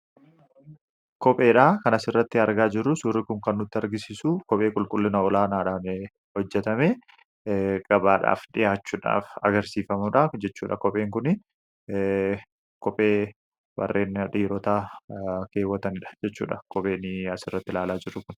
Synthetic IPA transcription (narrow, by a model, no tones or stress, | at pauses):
kɔpʼe̞ːᶑaːkɐnɐsɪrːɐt̪ːɪɐɾɡaːd͡ʒɪɾːʊsʊrːɪkʊŋkɐnːʊt̪ːɪɐɾɡɪsisʊkɔpʼe̞ːkʼʊlkʼʊlːɪnɐɔlaːnaːᶑaːn | hɔd͡ʒːɛt̪ɐme | kʼɐbaːᶑa̰ːfᶑɪjaːt͡ʃːuːᶑa̰ːfɐ̰ɡɐɾsiːfɐmʊᶑad͡ʒɛt͡ʃːuːᶑɐkɔpʼe̞ːŋkʊnɪ | kɔpʼeː | bɐ̰rːʔe̞ːnᶑiːɾɔt̪aːke̞ːwɐt̪ɐnɪᶑɐ̥d͡ʒɛt͡ʃːṵːᶑɐkɔpʼe̞ːnɪɐsɪrːɐt̪ːɪlaːlaːd͡ʒɪɾːʊkʊn